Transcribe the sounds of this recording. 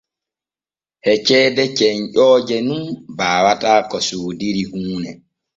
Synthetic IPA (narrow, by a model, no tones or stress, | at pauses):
hɛt͡ʃɛːdɛt͡ʃɛɲʔɔːd͡ʒɛnunbaːwataːkɔsuːdiɾihuːnɛ